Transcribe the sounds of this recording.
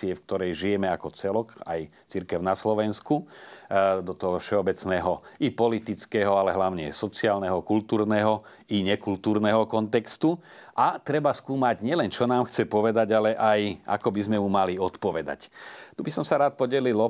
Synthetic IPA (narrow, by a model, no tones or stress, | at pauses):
iɛfk̚t̪ɔɾɛjʒijɛmɛakɔt͡sɛlɔka̰j | t͡siɾkɛʊnaslɔʋɛnsku | d̪ɔt̪ɔɦɔfʃɛɔbɛt͡snɛːɦɔipɔlit̪it͡skɛɦɔalɛɦlaʊɲɛ̰sɔt͡siaːlnɛɦɔkult̪uːɾnɛɦɔ | iɲɛkult̪uːɾnɛɦɔkɔnt̪ɛkst̪u | ʔat̪ɾɛbaskuːmaɟɲɪɛlɛnt͡ʃɔnaːmxt͡sɛpɔʋɛd̪aɟalɛʔaja̰kɔbizmɛmumaliɔt̪pɔʋɛd̪a̰ct̪ubisɔmsaɾaːt̪̚pɔɟɛlil